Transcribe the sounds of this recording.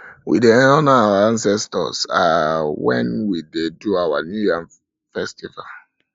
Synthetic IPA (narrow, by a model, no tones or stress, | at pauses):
wḭdeɔnaawaãnsɛstɔ̰sawɛ̰̃nwideduawanujãm | fɛstival